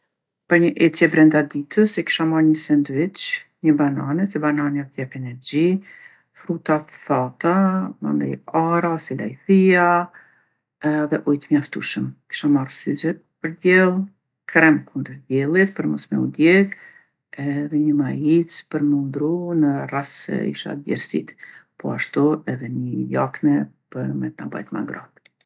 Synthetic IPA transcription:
pəɾɲəʔɛt͡sjɛbɾɛnd̪ad̪it̪ʰəsɛki̥ʃamaɾɲəsɛnd̪vit͡ʃɲəbananɛsɛbananjaθjɛpɛnɛɾd͡ʑi | fɾut̪atθat̪ama̰nd̪ɛ̰jaɾasila̰jθia | ðɛʔujt̪mjaft̪uʃəmki̥ʃamarsyzɛ | pəɾdɛlˠ | kɾɛmkʰund̪əɾvjɛlˠit̪̚pəɾmɔ̰smɛ̰ṵd̪jɛk | ɛðɛɲəmajit͡spəɾmənd̪ɾunərasɛ̰ḭʃa̰t̪dɛ̰ɾsḭt̪pɔ̰aʃt̪uɛðɛɲəjaknɛpəɾmɛt̪naba̰jt̪ma̰ŋɡɾad̪̥

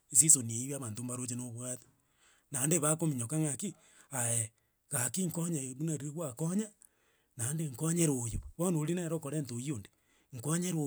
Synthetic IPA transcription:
isisonieiβiaβaːntombaɾot͡ʃenoβwati̥ | nandeβakomiɲokaŋaki | ae | ɣakiŋkoɲeβunaɾieɣwakoɲa | nandeŋkoɲeɾojoβonoɾinaɾokoɾentojionde | ŋ̩kaɲeɾo

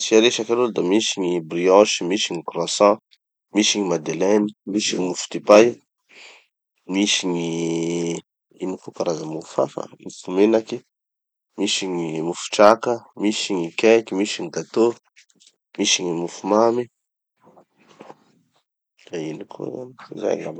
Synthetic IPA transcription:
t͡siaɾeʃakalod̪amiʃiɲibriɔ̃ʃimiʃiŋikɾasɔ | miʃiɲimad̪elɛnimiʃiŋimufu̥t̪ipaj | miʃiɲi | inikokaɾazamufa̰fa̰mufumenaki | miʃiɲimufu̥ʈ͡ʂakəmiʃiɲikɛkimiʃiɲiɡat̪o | miʃiɲimufumami | ainikʰo̰a̰niza̰jla̰m

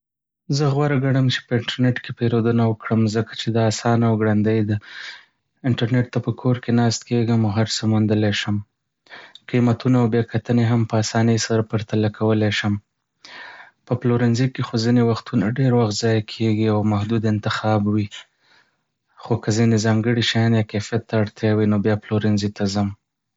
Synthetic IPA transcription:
zəɣwaɾaɡaɽəmt͡ʃe̥pəɪɳʈaɾneʈkepeɾod̪ənawəkɽəmzəkḁt͡ʃed̪ɑːsɑnawɡɽand̪əjd̪a | ɪɳʈaɾneʈ̚t̪apəkʰoɾkenɑst̪̚keɡəmaɦaɾsəmund̪əleʃəm | qimat̪unaawbjekat̪əneɦampəasɑnəjsaɾapəɾt̪alakʰawəleʃəm | pəploɾɪnzikexozinewaxt̪unaɖeɾwaxt̪zɑjakʰeɡiawmahd̪ud̪ɪnt̪ɪxɑbwi | xokazinezɑŋɡəɽiʃɑjɑnjɑkefijat̪ːaːɽt̪jɑwinobjɑploɾɪnzit̪azəm

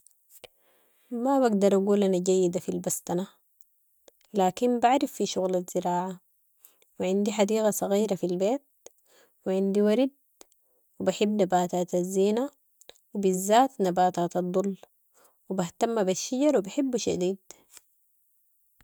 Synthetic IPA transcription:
mabaɡd̪ɑɾˤʔaɡuːlʔanaɟajːid̪afilbast̪ɑna | laːkinbaʕɾifːiʃuɣlaz̥ɪɾaːʕa | wiʕind̪iħad̪iːɣasˤɑɣiːɾafilbeːt̪̚ | wiʕɪnd̪iwaɾid̪̚ | wibaħibːnabaːt̪aːt̪azːiːna | wibizːaːt̪nabaːt̪aːt̪ɑd̪ˤːulː | wibaht̪amːabaʃːaɟɑɾˤwibaħibːʃa̰d̪iːd̪

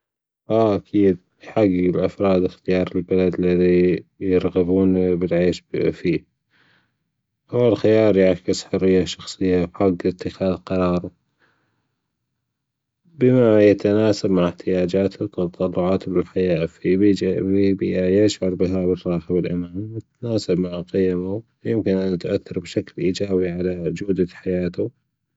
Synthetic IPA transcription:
ʔaʔakʰiːd̪̚ | ħaɡɪlʔafɾˤɑːd̪ɪxt̪ɪjɑːɾˤɪlbalad̪lɪðijɪɾˤɣabuːnbɪlʕeːʃfiː | ʔawːalxɪjɑːɾˤjaʕkɪsħʊrːɪjːaʃɑxsˤɨjːawħaɡːɪt̪ːɪxaːðqɑɾˤɑːɾˤɑ | bɪmajat̪anaːsabmaʕɪħt̪ɪjaːd͡ʒaːt̪ɪt̪ːɑt̪ˤɑlːʊʕɑːt̪bɪlħajaːfiibiʔajɪʃʕʊɾˤbɪɦabɪrːɑːħbɪlʔɪmaːmwɪt̪naːsabmaʕqɪjma | jɪmkɪnʔanːt̪ʔaθːɑɾˤbʃaklʔiːd͡ʒaːbiʕalad͡ʒuːd̪aħajaːt̪u

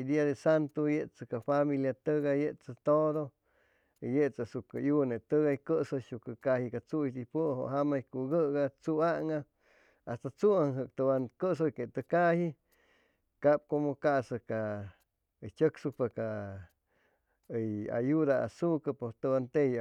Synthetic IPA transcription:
d̪iad̪esant̪ojeʔt͡sakafamiljat̪əɡajeʔt͡sət̪od̪o | jeʔt͡sasukajunet̪əɡajkəsoʃukəkahikat͡suid̪ipəɦo̰ʔɦamajkuɡəʔɡat͡suaʔŋa | ast̪at͡suŋɦəkt̪əbankəʔs̬ojket̪əkahi | kap̚komokaʔsəka | əjt͡ʃəksupaka | əja̰jud̪aa̰sukapot̪əbant̪ej

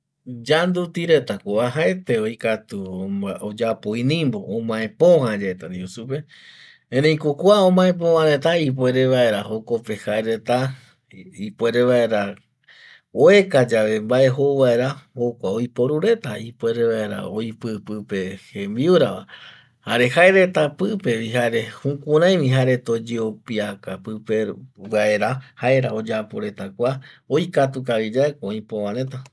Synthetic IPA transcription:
d͡ʒand̪ut̪iɾe̞t̪akʷoβaɦaet̪e̞o̞jkat̪uod͡ʒapoĩnĩmbo̞ʔõmãẽpõhad͡ʒaet̪aniusupe | ẽɾẽj̃kokʷaõmãẽp̬õãɾe̞t̪aip̬we̞ɾe̞ʋae̞ɾahoko̞pe̞haeɾe̞t̪a | ipwe̞ɾeβae̞ɾa | oekad͡ʒaʋe̞mbae̞ɦoʋae̞ɾahokʷaojpo̞ɾuɾe̞t̪aipwe̞ɾeʋae̞ɾa̰ojpɨpɨpe̞hẽmbiuɾaʋa̰ | haɾe̞haeɾe̞t̪apɨpe̞ʋiɦaɾe̞hũkuɾ̃ãj̃ʋĩɦaɾe̞t̪o̞d͡ʒeopiakapɨpe̞ʋae̞ɾahaeɾao̞d͡ʒapoɾe̞t̪akʷaojkat̪ukaɾid͡ʒaekoõjpo̞ʋãɾe̞t̪a

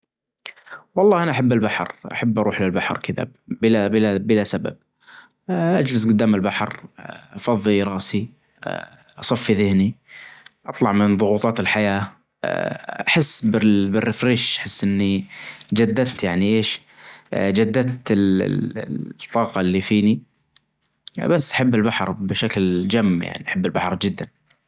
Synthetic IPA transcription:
wɑlˤːɑːʔanaʔaħabːɪlbaħɾʔa̰ħabːʔɑɾˤuːħlɪlbaħɾkʰɪða̰bɪlabɪlabɪlasaba̰b̚ | ʔad͡ʒlɪsɡʊd̪ːaːmɪlbaħɾʔɑfɑðˤːiɾˤɑːsi | ʔɑsˤɑfːiðɪhni | ʔɑt̪ˤlɑʕmɪnðˤʊɣuːt̪ˤɑːt̪ɪlħajaː | ʔaħɪsːbɪbɪrːɪfɾiːʃʔḁħɪsːʔɪnːid͡ʒad̪ːat̪jaʕniʔeːʃ | d͡ʒad̪ːat̪ɪl̰ | t̪ˤːɑːqɑlːifiːni | basːʔḁħabːɪlbaħɾbɪʃakld͡ʒamːja̰ʕniʔaħabːɪlbaħɾˤd͡ʒɪd̪ːan

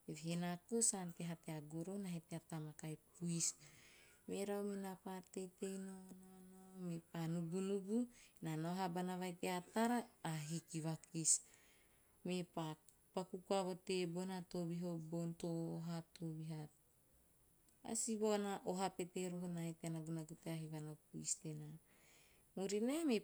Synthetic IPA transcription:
evihenakosankeɦateaɡoɾonaɦeteatamakajpuis | me̞ɾawminapaɾte̞jte̞jnononomepanuɡunuɡunanoɦabanavajteataɾaːɦikiβakis | mepa | pakukuaβo̞te̞bonato̞biɦo̞bontoɦatobiɦat | a̰sibonaʔoɦape̞te̞ɾoɦonaeteanaɡunaɡuteaɦivanopuistena | muɾiname

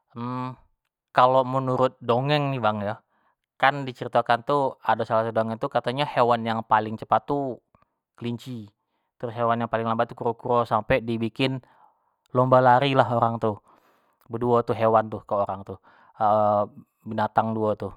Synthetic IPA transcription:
m̩ | kalomənuɾʊt̪̚doŋɛŋnɪbaŋja | kandit͡ʃəɾit̪akant̪uadasalat̪adoŋɛŋt̪ukat̪aɲahewanjaŋpalɪŋt͡ʃəpat̪ːu | kəliɲt͡ʃi | t̪ɾʊsɦewanjaŋpalɪŋlambat̪ːukuɾokuɾosampɛdibikɪn | lombalaɾilaɦoɾaŋt̪u | bəduat̪uɦewant̪ʊhkəoɾaŋt̪u | ə | binat̪aŋduat̪u

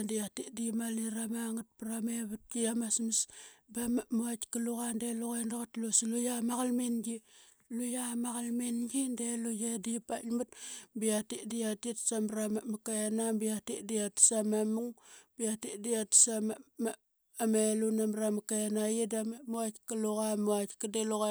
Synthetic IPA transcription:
ndiatiʔdimaliɾamaŋat̚pɾameβut̚ɡijamasmisbamaʔmuatkəluɣandeluɣandoɣatlusilujamaɣalminɡi | lujamaɣalminɡindelujedipamut̚bijatiʔdijatitsamɾamamakajanambiatiʔdijatsamamuŋb̥ijatidiatsamama | amelunamɾamakaanajidamamuatkəluɣamuatkideluɣa

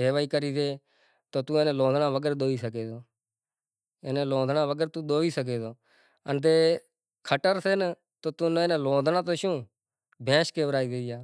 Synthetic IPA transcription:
eːʋaːiːkəɾiːseː | t̪oːt̪ũːeːnẽːloːd̪nãːʋəɡəɾɗ̪oːiːsəkeːd̪oː | enẽːlõːnd̪nãːʋəɡəɾt̪ũːɗ̪oːiːsək̬eːd̪oː | ənt̪eː | kʰəʈəɾseːn | t̪oːt̪uːnẽːnẽːloːd̪naːt̪oːʃõː | bʱẽːʃkeːʋəɾaːiːd̪eːjaː

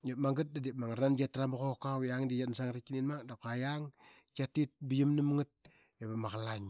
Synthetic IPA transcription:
jamaŋɡɨt̚dadimaŋaɾanɡatɾamakokawjaŋdijatnsaŋɾikininmadakajaŋ | katit̚bijimnəmŋɨt̚ | ebamakalaɲ

